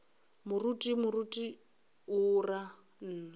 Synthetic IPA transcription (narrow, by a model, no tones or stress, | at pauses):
mʊrutʼimʊrutʼi | ʊra | n̩ː